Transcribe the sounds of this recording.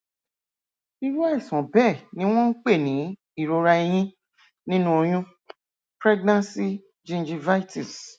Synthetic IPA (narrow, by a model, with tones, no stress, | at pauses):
i˧ɾu˦a˦i˦˨sɔ̃˨bɛ˦˨nĩ˦w̃ɔ̃˦n̩˦k͡pe˦˨nĩ˨˦ | i˦˨ɾo˧ɾa˧i˧j̃ĩ˦ | nĩ˦nũ˦o˧j̃ũ˦ | pɾɛ˦ɡnã˦nsi˦ | d͡ʒĩ˦n˦d͡ʒi˧va˦i˦ti˨s